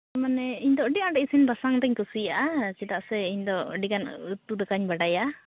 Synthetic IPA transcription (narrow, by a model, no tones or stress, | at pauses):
manɛiɲd̪ɔɖiaɖɛisinbasaŋd̪ɛɲkusijaʔat͡ʃit̪aʔsɛiɲd̪ɔ̰ɖikanut̪ud̪ɛkaɲbaɖajaʔ